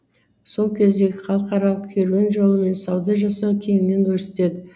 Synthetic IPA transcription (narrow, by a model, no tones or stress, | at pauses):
so̞lˠkʲʰe̞zd̪e̞ɡʲɪχɑlˠqɑɾɑlˠəqkʲʰeɾuwʲenʒo̞lˠəme̞nsɑwd̪əʒɑsɑwkʲʰe̞ŋɪne̞nk̪ʰɵɾse̞t̪e̞d̪ɪ